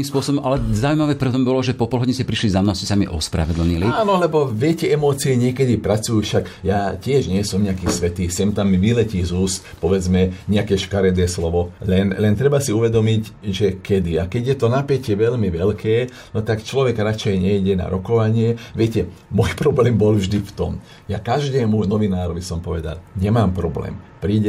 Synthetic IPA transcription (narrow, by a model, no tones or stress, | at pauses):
iːmspʊɔsɔbɔmʔalɛzaʊuimaʋɛːpɾɛt̪ɔmbɔlɔʒɛpɔpɔlˠɦɔɟiɲɛscɛpɾiʃlizamnɔʊscɛsamiʔɔ̰spɾa̰ʋɛd̪l̩ɲiliaːnɔlɛbɔʋɪɛcɛɛmɔːt͡siɛɲɪɛkɛd̪ipɾat͡sujuːʃakjacɪɛʒɲɪɛsɔmɲɛakiːsʋɛt̪iːsɛmt̪amiʋilɛcizuːspɔʋɛd͡zmɛɲɛakɛʃkaɾɛd̪ɛːslɔʋɔlɛnlɛnt̪ɾɛbasiuʋɛd̪ɔmiɟʒɛkɛd̪iakɛɟjɛt̪ɔnapɛcɛʋɛʎmiʋɛlkʰɛː | nɔt̪akt͡ʃlɔʋɛɡɾat͡ʃɛjɲɛjɟɛna̰ɾɔkɔʋaɲɪɛʋɪɛcɛ | mɔjpɾɔblɛːmbɔlvʒd̪ift̪ɔm | jakaʒd̪ɛːmunɔʋinaːɾɔʋisɔmpɔʋɛd̪a̰lɲɛmaːmpɾɔblɛ̰ːmpɾiːɟɛ